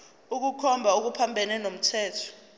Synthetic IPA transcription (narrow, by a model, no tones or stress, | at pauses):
uk̬ukʰɔmbʱaok̬upʰambʱɛnɛnom̩tʰɛːtʰɔ̥